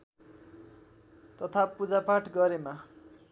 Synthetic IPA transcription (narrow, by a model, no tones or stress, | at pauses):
t̪ʌt̪ʰapud͡zapaʈɡʌɾema